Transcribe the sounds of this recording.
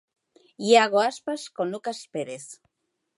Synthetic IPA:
iaɣoaspaskonukaspeɾes

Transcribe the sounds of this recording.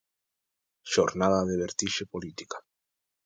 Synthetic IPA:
ʃoɾnaðaðeβeɾt̪iʃepolit̪i̥kḁ

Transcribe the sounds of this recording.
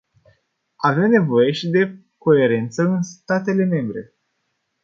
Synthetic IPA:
ave̞mne̞vo̞je̞ʃid̪e̞ | ko̞e̞ɾe̞nt̪səɨnst̪at̪e̞le̞me̞mbɾe̞̰

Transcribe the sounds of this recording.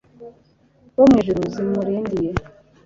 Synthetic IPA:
womŋeːʒuɾuːzimuɾiːndije

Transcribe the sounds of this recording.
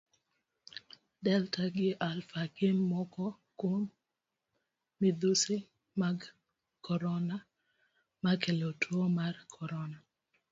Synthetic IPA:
dɛltaɡɪʔalfakɪmmɔkɔ | kwom | ɪd̪usɪ | maɡ | kɔɾɔna | makelotʰwomarkʰɔɾɔna

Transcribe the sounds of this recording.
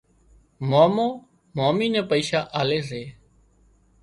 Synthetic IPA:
moːmõː | moːmiːnɛ̃ːpəiːʃaːʔaːleːs̬eː

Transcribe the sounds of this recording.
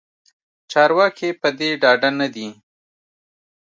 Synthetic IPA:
t͡ʃɑɾwɑkepəd̪eɖɑɖanad̪i

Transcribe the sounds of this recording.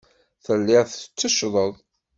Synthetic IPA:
θəlːɪʁθə̥t͡sːəʃðˤəðˤ

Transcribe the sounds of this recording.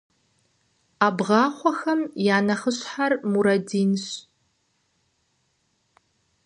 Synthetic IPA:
aːbʁɑːχʷɔxɐmjaːnɐχəɕħarmuɾɐdiːnɕ

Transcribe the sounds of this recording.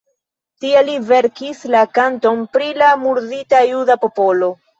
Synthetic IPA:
tielive̞ɾkislakanto̞mpɾilamuɾditajudapo̞po̞lo̞

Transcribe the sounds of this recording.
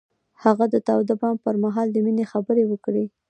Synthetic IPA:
haɣad̪ət̪awd̪abɑn̚pəɾmaɦɑld̪əminexabəɾewəkɽe

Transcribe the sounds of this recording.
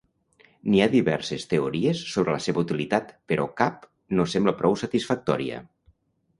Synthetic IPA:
niaðiβɛɾsest̪eoɾiesːoβ̞ɾeləseβəut̪ilit̪at̪peɾʔɔkap | nosembləpɾʔɔwsət̪isfək̚t̪ɔɾiə̰

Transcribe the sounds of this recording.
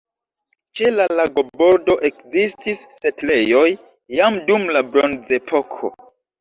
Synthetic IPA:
t͡ʃe̞lalaɡo̞bo̞ɾdo̞ʔe̞kzistʰisːe̞tle̞jo̞jː | amdumlabɾonze̞pʰo̞kʰo̞̰

